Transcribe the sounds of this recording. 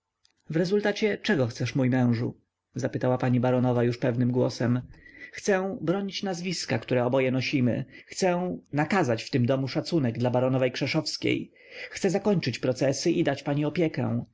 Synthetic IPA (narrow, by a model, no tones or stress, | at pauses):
vɾɛzult̪at͡ɕɛt͡ʂɛɡɔxt̪sɛʂmujmɛ̃w̃ʐṵ | zapɘt̪awapaɲibaɾɔnɔvajuʂpɛvnɘmɡwɔsɛmxt̪sɛw̃bɾɔɲit͡ɕnazvʲiskakt̪uɾɛɔbɔjɛnɔɕimɘ̰xt̪sɛw̃nakazat͡ɕft̪ɘmd̪ɔmuʂat̪sunɛɡ̚d̪labaɾɔnɔvɛjkʂɛʂɔfskʲḛj | xt̪sɛzakɔɲt͡ʂɘt͡ɕpɾɔt̪sɛsɘʔid̪at͡ɕpaɲiɔpʲjɛkɛ̰̃w̃